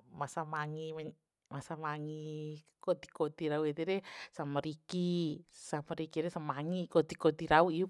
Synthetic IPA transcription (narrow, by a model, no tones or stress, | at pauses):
masamaŋimɛ | masamaŋi | kot̪i̥kot̪iɾauet̪ɛɾɛsamaɾikisamaɾikiɾɛsamaŋikot̪ikot̪iɾauiu